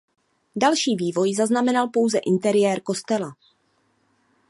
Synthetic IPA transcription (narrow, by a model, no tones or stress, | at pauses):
dalʃiːviːvo̞jzaznamɛnalpo̞wzɛʔɪnt̪ɛɾɪjɛːɾko̞st̪ɛla